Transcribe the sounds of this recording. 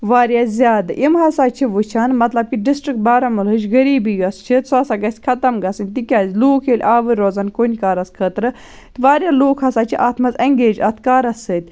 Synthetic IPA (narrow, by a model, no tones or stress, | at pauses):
ʋaːɾʲjazʲjaːd̪ɨʔimɦɐsaːt͡ʃʰiʋut͡ʃʰaːnmɐt̪lɐb̚kiɖisʈɾik̚ʈ̪̚baːɾɐmɨlɨt͡ʃɡɐɾiːbijɐst͡ʃʰit̪sasaɡɐsʲkʰɐt̪ɐmɡɐsɨnʲt̪ikʲaːzʲluːkʰeːlʲʔaːʋɨɾoːzɐnkonʲkaːɾɐskʰəːt̪ɾɨ | t̪ʋaːɾjaloːkʰhɐsaːt͡ʃʰiʔaːt̪ʰmɐzɐŋɡeːd͡ʒɐt̪ʰkaːɾɐsːɨːt̪ʲ